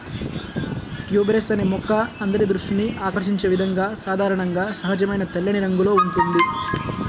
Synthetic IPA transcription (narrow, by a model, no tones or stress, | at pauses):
ʈjuːbɾesɐneːmɔkːɐɐnd̪ɐɾid̪ɾuʂʈiniʔaːkɐɾʃiɲt͡ʃe̞ːʋid̪ʱɐŋɡaːsaːd̪ʱaːɾɐɳɐŋɡaːsɐɦɐd͡ʒɐmɐjnɐt̪ɐlːɐniɾɐŋɡulo̞ːuɳʈund̪i